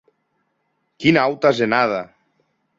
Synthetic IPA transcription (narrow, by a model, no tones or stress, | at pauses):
kinawt̪azenaða